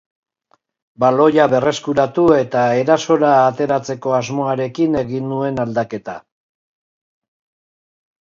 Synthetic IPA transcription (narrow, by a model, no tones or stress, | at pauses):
balo̞jaβe̞re̞skuɾat̪ue̞t̪ae̞ɾaso̞ɾaːt̪e̞ɾat͡se̞ko̞azmo̞aɾe̞kine̞ɣinːue̞nald̪ake̞t̪a̰